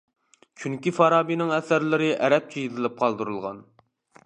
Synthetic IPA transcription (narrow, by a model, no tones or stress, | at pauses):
t͡ʃʰyŋkʲifɑɾɑːbinɪŋɛsæɾlɪɾɪʔɛɾɛp̚t͡ʃʰijizɪlɪp̚qʰɑlˠd̪ɨɾɨlˠʁɑ̰n